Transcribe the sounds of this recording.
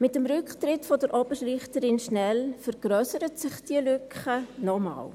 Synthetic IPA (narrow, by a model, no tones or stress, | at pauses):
mɪtəmɾʏkχtrɪtfodəɾʔɔbərliχtəɾɪnʃnɛlfəɾɡ̥ɾœsəɾətsɪχd̥iəlʏkχənɔmɑ̰ːl